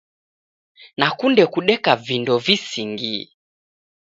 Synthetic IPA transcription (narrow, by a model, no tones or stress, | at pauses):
nakundɛkuɗɛkavindɔvisiŋɡi